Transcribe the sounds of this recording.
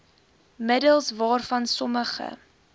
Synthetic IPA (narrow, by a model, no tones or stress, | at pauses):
mədəlˠsvɑːrfɐnsɔməχə̰